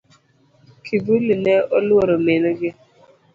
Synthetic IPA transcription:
kʰibulineoloɾomenoɡɪ

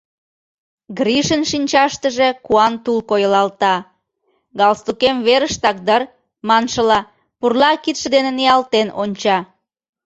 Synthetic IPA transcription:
ɡɾiʃənʃinʲt͡ɕɑʃt̪əʒekuɑnt̪ulkojəlɑlt̪ɑ | ɡɑlst̪ukemβeɾəʃt̪ɑk̚d̪ər | mɑnʃəlɑ | purlɑkit̪ʃə̆d̪enenejɑlt̪enonʲt͡ɕɑ

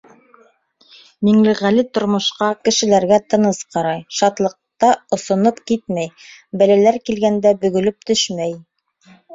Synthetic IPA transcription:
miŋlɘʁælɘt̪ŏɾmŏʃqɑkɘ̆ʃɘ̆læɾɡæt̪ɤ̆nɤsqɑɾɑjʃɑt̪lˠɤ̆q̚t̪ɑŏsŏnɤpkit̪̚mæjbælælæɾkilɡænd̪æbɵ̆ɡɵ̆lɵp̚t̪ɵʃmæj

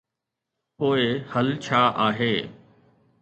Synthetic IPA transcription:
poːɪhɐlt͡ɕʰaːʔaːɦeː

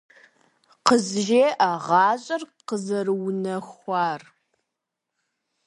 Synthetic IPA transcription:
qəzʒeːʔaʁɑːɕʼɐrqəzɐrwnɐxʷɑːr

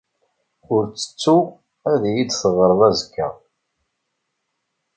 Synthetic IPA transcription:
ʊɾt͡sːə̥t͡sːu | æðjid̪θəʁəɾˤðˤæzəkʰːæ̰

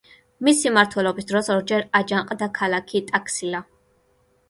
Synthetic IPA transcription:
misimaɾt̪ʰwɛlɔbisd̪ɾɔsɔɾd͡ʒɛɾad͡ʒaŋqʼd̪akʰalakʰit̪ʼakʰsila

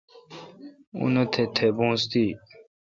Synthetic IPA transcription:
ṵnot̪ʰet̪ʰebũːst̪i

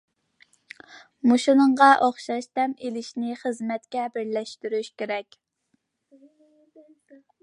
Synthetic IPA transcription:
muʃunəɴʁɑʔoχʃɑʃt̪ʰɛmelɪʃnɪχəzmɛt̪kʲɛbɪɾlɛʃt̪yɾyʃkʲeɾɛkʲ

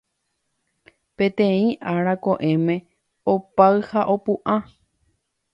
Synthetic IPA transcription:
pẽ̞t̪ẽ̞ĩʔaɾako̞ʔẽ̞mẽ̞ | opaɨhaʔopuʔã

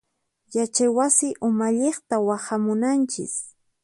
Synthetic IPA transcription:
jat͡ʃajwasɪʔʊmaʎeχt̪awahamʊnant͡ʃɪ̰s

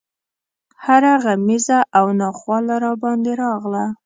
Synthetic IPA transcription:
haɾaɣamizaʔawnɑxwɑlaɾɑbɑnd̪eɾɑɣla

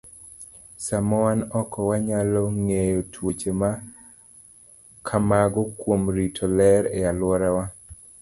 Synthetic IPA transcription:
samɔwanɔkɔwaɲalɔŋejotʰwot͡ʃema | kʰamaɡɔkwomɾitʰɔlɛɾealwɔɾawa

